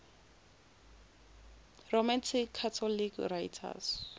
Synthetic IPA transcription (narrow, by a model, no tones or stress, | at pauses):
romantʰikʰːatʰɔlikrajtʰa̰s